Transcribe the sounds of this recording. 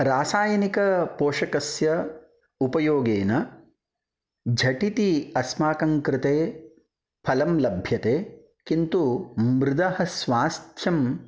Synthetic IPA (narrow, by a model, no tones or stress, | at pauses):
ɾaːsaːjɐnikɐpoːʂɐkɐsjɐ | upɐjoːɡeːnɐ | d͡ʒʱɐʈit̪iɐsmaːkɐŋkɾɪt̪eː | pʰɐlɐmlɐbʱjɐt̪eː | kint̪umɾɪd̪ɐhɐsʋaːst̪ʰjɐm